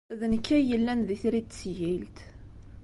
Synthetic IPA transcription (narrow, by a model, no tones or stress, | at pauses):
ðənkːæjəlːænðiθɾid̪sjilt̪